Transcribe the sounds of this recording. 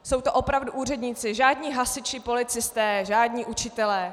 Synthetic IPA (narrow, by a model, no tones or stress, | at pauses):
so̞wt̪o̞ʔo̞pɾavduʔuːrɛdɲiːt͡sɪʒaːdɲiːɦasɪt͡ʃɪpo̞lɪt͡sɪst̪ɛːʒaːdɲiːʔut͡ʃɪt̪ɛlɛː